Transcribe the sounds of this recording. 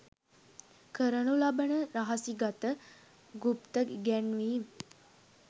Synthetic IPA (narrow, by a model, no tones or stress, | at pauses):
kʰəɾənulabənəɾaɦasiɡat̪ə | ɡupt̪əɡɛnʋiː